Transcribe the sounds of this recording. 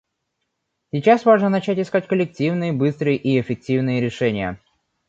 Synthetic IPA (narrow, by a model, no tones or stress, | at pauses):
sʲɪt͡ɕasvaʐnənɐt͡ɕætʲɪskatʲkəlʲɪktʲivnɨjəbɨst̪ɾɨjəʔiɪfʲɪk̚tʲivnɨjəɾʲɪʂɛnʲɪjə̰